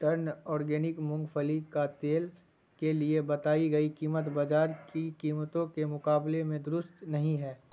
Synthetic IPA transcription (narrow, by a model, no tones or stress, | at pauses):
t̪ɐɾnɔːɾɡɛːnɪkmʊ̃ŋɡfʰəlikat̪eːl | keliebɐt̪aːiɡɐikiːmət̪baːd͡ʒaːɾkikiːmət̪õkemʊkaːblemẽd̪ʊɾʊst̪nɐɦĩɦɛː